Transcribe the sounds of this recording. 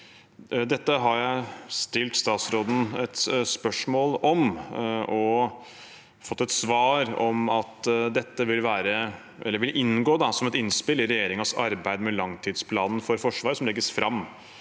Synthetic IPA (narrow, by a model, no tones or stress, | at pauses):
d̪ɛt̪ːəɦɑɾjæɪst̪ɪlt̪st̪ɑːt̪sɾoːd̪n̩ɛt̪spœʂmoːlɔmʔɔ | fɔt̪ːɛt̪sʋɑːɾɔmɑt̪d̪ɛt̪ːəʋɪlʋæːɾə | ʔɛlːəɾʋɪlʔɪnːɡoːd̪ɑsɔmɛt̪ɪnspɪlːɪɾɛjeːɾɪŋəsɑ̰ɾbæɪd̪mɛlɑŋt̪ʰiːd̪spʰlɑːnn̩fɔɾfɔʂʋɑːɾəsɔmlɛɡːəsfɾɑ̰mː